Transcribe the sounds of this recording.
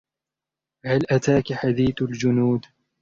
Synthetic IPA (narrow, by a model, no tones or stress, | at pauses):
halʔat̪aːkaħad̪iːθald͡ʒʊnuːd̪